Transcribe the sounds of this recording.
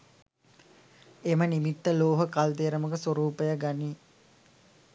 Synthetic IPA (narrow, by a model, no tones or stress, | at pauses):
emənimit̪ːəloːɦəkalt̪eːɾəməkəswoɾuːpəjəɡaniː